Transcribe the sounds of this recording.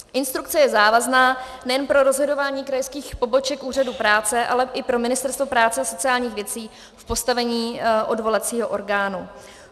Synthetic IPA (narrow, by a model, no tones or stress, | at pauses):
ʔɪnst̪ɾukt͡sɛjɛzaːvaznaː | nɛjɛnpɾo̞ɾo̞zɦo̞do̞vaːɲiːkɾajskiːxpo̞bo̞t͡ʃɛkʔuːradupɾaːt͡sɛʔa̰lɛʔɪpɾo̞mɪnɪst̪ɛɾst̪vo̞pɾaːt͡sɛaso̞t͡sɪaːlɲiːxvjɛt͡siː | fpo̞st̪avɛɲiːʔo̞dvo̞lat͡siːɦoʔo̞ɾɡaːnu